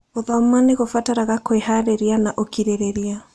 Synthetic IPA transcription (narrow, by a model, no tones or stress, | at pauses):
oðɔmaneɣofataɾaɣakoehaɾeɾianaʔokiɾeɾeɾia